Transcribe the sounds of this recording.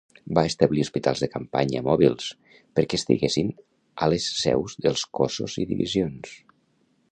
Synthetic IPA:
baest̪əβliuspit̪a̰lˠzðəkəmpa̰ɲə̰mɔβilˠs | pəɾkɛːst̪ḭɣesin | ələsːɛ̰wzðəlˠskoso̰ziðḭβḭzjons

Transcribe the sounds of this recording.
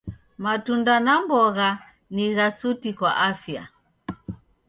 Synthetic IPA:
matundanambɔɣa | niɣasutikwa̰ʔafja̰

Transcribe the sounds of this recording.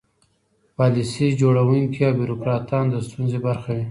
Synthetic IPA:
pɑlisid͡ʒoɽawuŋkiɑwbiɾokɾɑt̪ɑnd̪əst̪unzebaɾxawi

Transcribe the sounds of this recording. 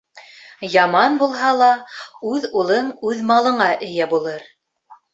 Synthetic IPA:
jɑmɑnbulˠɦɑlˠɑʉðulˠɤŋʉðmɑlˠɤ̆ɴɑʔɘ̆jæbulˠɤɾ

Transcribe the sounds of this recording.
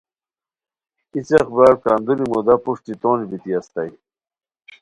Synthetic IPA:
isexbaːɾkaːnd̪unimud̪apuʂt̪it̪oːnbit̪iast̪aj

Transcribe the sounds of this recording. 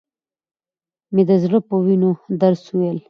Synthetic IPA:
med̪əzɽəpəwinod̪aɾsuwel

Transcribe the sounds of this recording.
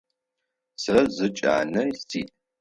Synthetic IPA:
sɐzɨt͡ʃʼa̰ːnɐjstʰiːtʼ

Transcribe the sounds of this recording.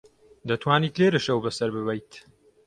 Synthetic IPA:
d̪ɐt̪ʰwaːniːt̪leːɾɨʃɐwbɐsɐɾbɨβɛjt̪

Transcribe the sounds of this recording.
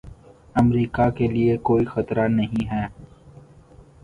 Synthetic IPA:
ɐmɾiːkakeliekoːixɐt̪ɾanɐɦĩɦɛː

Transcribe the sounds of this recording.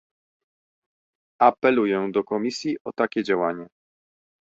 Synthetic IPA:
apɛlujɛ̃d̪ɔkɔmʲisʲjiʔɔt̪akʲɛd͡ʑawaɲɛ

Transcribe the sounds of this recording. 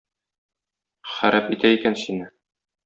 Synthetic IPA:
χæɾʔæpit̪æikænsinɘ

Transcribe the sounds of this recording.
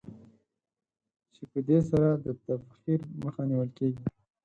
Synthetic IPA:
t͡ʃepəd̪esaɾad̪ət̪afxiɾməxaniwəlkeɡi

